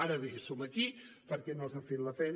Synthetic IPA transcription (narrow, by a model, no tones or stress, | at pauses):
aɾəβesoməkipəɾkɛnozafet̪ləfɛjn